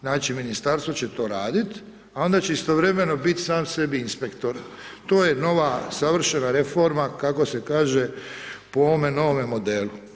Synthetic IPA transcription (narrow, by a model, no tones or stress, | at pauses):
znaːt͡ʃiminist̪aɾst̪ʋot͡ɕe̞t̪o̞ːɾaːd̪it̪ | ao̞nd̪at͡ɕe̞ist̪o̞ʋɾe̞me̞no̞bit̪saːmse̞biinspe̞kt̪o̞ɾ | t̪o̞ːje̞no̞ʋasaʋr̩ʃe̞naɾefo̞ɾmakako̞se̞kaːʒepooʋomeno̞ʋomemo̞d̪eːlu